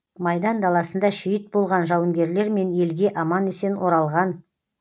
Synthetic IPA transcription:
mɑjd̪ɑnd̪ɑlˠɑsənd̪ɑʃijət̪̚bo̞lˠʁɑnʒɑwəŋɡʲe̞ɾle̞ɾme̞nje̞lɡʲe̞ʔɑmɑnese̞nwo̞ɾɑlˠʁɑn

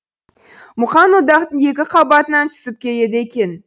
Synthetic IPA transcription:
mʊqɑnwod̪ɑqt̪əɴe̞kʲɪqʰɑbɑt̪ənɑnt̪ʰʏ̥sɪp̚kʲʰe̞je̞d̪ɪekʲe̞n

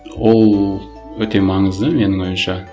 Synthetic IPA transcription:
wo̞lˠ | wɵt̪e̞mɑɴəzd̪əme̞nɪŋwo̞jəmʃɑ

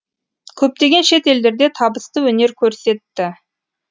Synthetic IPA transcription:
kʲʰɵp̚t̪e̞ɡʲe̞nʃe̞t̪e̞ld̪e̞ɾd̪e̞t̪ʰɑbəst̪əwɵne̞ɾkʲʰɵɾse̞t̪ːɪ

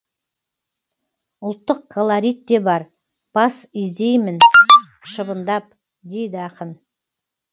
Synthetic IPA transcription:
ʊlˠt̪ːəq̚kʰolˠaɾʲijt̪ːe̞bɑɾ | b̥ɑsɪzd̪e̞jmɪn | ʃəbənd̪ɑp̚ | d̪e̞jd̪ɪɑqən

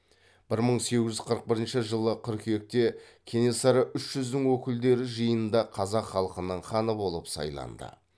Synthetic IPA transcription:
b̥ɪɾməɴse̞ɡʲɪzʒʏɪz̥qʰəɾəq̚bɪɾɪnʃɪʒəlˠəqʰʏɾkʲʰʏje̞k̚t̪e̞kʲʰe̞ne̞sɑɾəʔʏʃʒ̥ʏzd̪ɪŋwɵkʲɪld̪e̞ɾɪʒəjəənd̪ɑqʰɑzɑqχɑlˠəqənəɴχɑnəbo̞lˠəpsɑ̰jlˠɑ̰nd̪ə̰

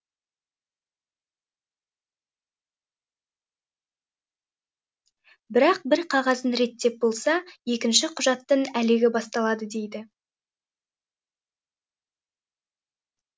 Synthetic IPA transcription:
bɪɾɑq̚bɪɾqʰɑʁɑzənɾe̞t̪ːe̞p̚bo̞lˠsɑje̞kʲɪnʃɪqʰʊʒɑt̪ːəɴæleɡʲɪbɑst̪ɑlˠɑd̪əd̪e̞jd̪ɪ

